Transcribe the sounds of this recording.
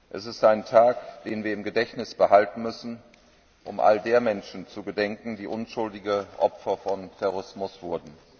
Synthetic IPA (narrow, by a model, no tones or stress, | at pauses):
ʔɛsɪstaɪntʰaːkd̥eːnviːɐɪmɡədɛçtnɪsb̥əhaltn̩mʏsn̩ | ʔʊ̰mʔa̰ldeːɐmɛnʃn̩t͡suɡədɛŋkŋ̩diːʔʊnʃʊldɪɡəʔɔpfɐfɔntʰɛʁoʊɪsmʊsv̥ʊɐdn̩